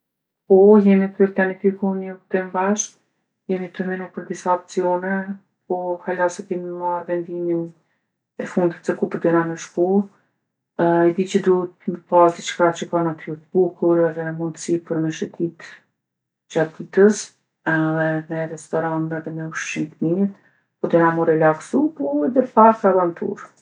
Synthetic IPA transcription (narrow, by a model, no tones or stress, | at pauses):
pɔjɛmit̪ɛɾplanifikunɔkt̪ɛmbaʃk | jɛmit̪əmɛnupəɾd̪isaɔp̚t͡siɔnɛ | pɔhalasɛkɛmimaɾvɛnd̪imin | ɛfund̪it̪səkupəɾd̪ɛnanəʃku | ɛd̪it͡ɕəd̪uət̪məpasd̪it͡ʃkat͡ɕəkanat̪ʰyɾt̪bukuɾɛðɛnəmund̪əsipəɾmɛʃət̪it̪ | d͡ʑat̪̚ːit̪əs | ɛðɛnɛɾɛst̪ɔɾant̪ɛðɛmɛuʃʃinknit̪ | pɔd̪ɛnamuɾɛlaɡsupɔɛðɛpakɾabant̪ʰṵɾ